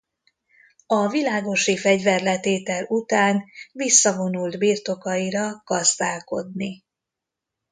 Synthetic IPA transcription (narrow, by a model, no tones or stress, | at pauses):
ɒvilaːɡo̞ʃifɛɟvɛrlɛt̪eːt̪ɛlut̪aːnvisːɒvo̞nuld̪biːrt̪o̞kɒiɾɒɡ̥ɒzd̪aːlko̞̰d̪ni